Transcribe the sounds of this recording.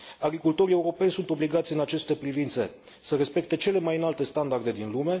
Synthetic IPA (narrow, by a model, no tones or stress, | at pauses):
aɡɾikult̪o̞ɾie̞uɾo̞pe̞nʲsunt̪o̞bliɡat̪sʲɨnat͡ʃe̞st̪e̞pɾivint̪se̞ | səɾespe̞k̚t̪e̞t͡ʃe̞le̞majɨnalt̪e̞st̪and̪ard̪e̞d̪inlume̞